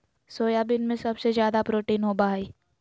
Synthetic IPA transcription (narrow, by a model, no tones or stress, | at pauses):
soːjabɪnmẽsɐbsezjaːd̪apɾoːʈiːnɦobaːɦiː